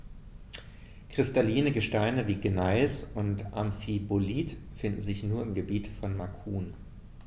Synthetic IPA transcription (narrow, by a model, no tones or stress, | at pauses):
kʁ̥ɪstaliːnəɡəʃtaɪnəviːɡənaɪsʊntʔa̰mfiboliːtfɪndn̩zɪçnuːɐɪmɡəbiːtfɔnmakʰuːn